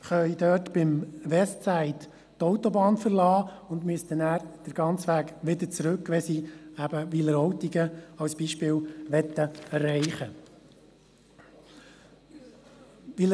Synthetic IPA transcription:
χœʏd̪øːtb̥ɪmʋɛstt͡sæɪt | tɔʊt̪ɔbɑːnfəɾlɑːʊnd̪myəst̪ənæːɾd̪̥əɾɡ̥ɑnt͡sʋæːkʋɪd̪ət͡sɾɵkʋɛsiæbəʋiləɾɔwt̪iɡəɑwsb̥iːʃpɪːlʋɛt̪ːəɛɾːɛɪχə | ʋi

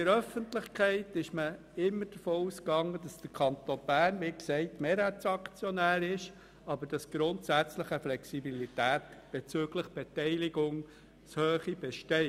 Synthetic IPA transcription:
əɾœfəntlɪχkʰɛɪtɪʃmə | ɪmːəd̥əfoːuskɑŋːəd̥ɑsd̥əɾkʰɑnt̪onb̥æːɾnʋiksɛɪtmeːɾhæt͡sɑkt͡sjɔnæːɾɪʃ | ɑbəɾd̥ɑsɡ̥ɾʊntsæt͡sləχəflɛksibilitæːtb̥et͡søɡləχb̥ɛtɛɪliɡʊŋ | shøːχib̥ɛʃtɛɪ

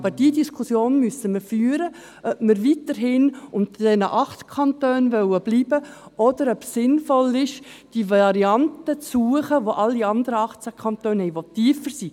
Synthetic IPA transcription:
bəd̥iədiskʰʊsjoːnmysəməɾfyːəɾə | ʔœbməɾʋitəɾɦɪnʊnt̪d̥ɛnəʔɑχt̪kʰɑntøːnʋœwəb̥liːbəɔd̥̪əɾœpsːɪnfɔlɪʃd̥ivɑɾiɑntət͡sːuəχəʋoʔɑlːiɑnd̪əɾəɑχt͡sækʰχɑntøːnhɛɪʋotːiːfəɾsi

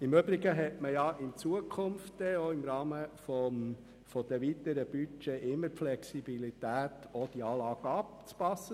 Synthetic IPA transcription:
ɪmøbɾiɡəɦɛtməjɑɪnt͡suəkʰʊmftːɛoɪmɾɑːməfɔm | fɔd̪̥ɛʋit̪əɾəb̥yt͡ʃeʔɪmːəɾpflɛksib̥ilit̪æːt̪ʰod̥iɑːlɑːɡ̥ɑp̚t͡spɑsːə

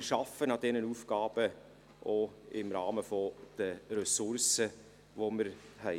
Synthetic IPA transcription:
ʃɑfənɑd̥ɛnənufɡ̥ɑːb̥ə | ʔoɪmɾɑ̰ːməfɔd̪̥ərɛsʊɾsə | ʋoməɾhɛ

